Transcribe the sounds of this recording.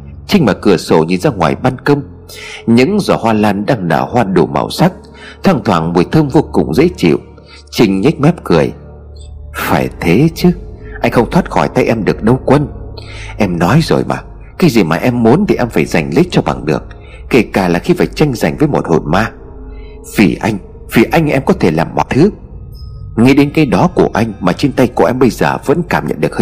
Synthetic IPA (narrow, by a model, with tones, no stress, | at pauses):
t͡ɕï˧ŋ̟maː˨˩kɨ˨˧˩əso˧˩ɲḭ˨˩nzaː˧ŋwa̰ː˨˩jɓaː˧nkə˧wŋ͡m | ɲɨ̰˧˥ŋzɔ˧˩hwaː˧laː˧nɗaː˧ŋna̰ː˧˩hwaː˧ɗo˧˩ma̰ː˧˩wsa˦˥k̚ | t̪ʰaː˧˩ŋt̪ʰwaː˧˩ŋmu˨˩əjt̪ʰɨː˧mvo˧kʊ̰˨˩ŋ͡mzḛ˧˥t͡ɕḭ˧˨w | t͡ɕï˧ŋ̟ɲi˦˥k̚mɛ˦˥p̚kɨ˨˩əj | faː˧˩jt̪ʰe˨˦t͡ɕɨ˦ʔa˧jŋ̟xə˧wŋ͡mt̪ʰwaː˦˥t̚xɔ˧˩jt̪a˧jʔɛ˧mɗɨ˨˩ək̚ɗə˧wkwə˧nʔɛ˧mnɔ˨˦jzo̰˨˩jma̰ː˨˩ | kaː˨˦jzi˨˩maː˨˩ʔɛ˧mːu˨˦ənt̪ʰi˨˩ʔɛ˧mfaː˧˩jza˨˩jŋ̟lï˦˥k̟̚t͡ɕɔ˧ɓa̰˨˩ŋɗɨ̰˨˩ək̚ː | e˧˩kaː˧˩laː˨˩xi˧faː˧˩jt͡ɕa˧jŋ̟za̰˨˩jŋ̟vəː˨˦jmo˨˩t̚ho̰˧˨nmaː˧ | vḭ˨˩ʔa˧jŋ̟ | v̥i˨˩ʔa˧jŋ̟ʔɛ˧mkɔ˨˦t̪ʰe˧˩laː˨˩mːɔ̰˨˩t̪ʰɨ˨˦ | ŋi˧ɗe˨˦nkaː˨˧˦jɗɔ˨˦ku˧˩əʔa˧jŋ̟maː˨˩t͡ɕe˧nt̪a˧jku˧˩əʔɛ˧mɓə˧jzəː˨˩və̰˧˥nkaː˧˩mɲə̰˧˨nɗɨ˨˩əkh